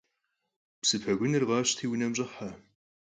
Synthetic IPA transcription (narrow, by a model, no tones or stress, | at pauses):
psɨpʰɐɡʷʊnɨrʁɑːɕtʰiːwnɐmʑʼɨħa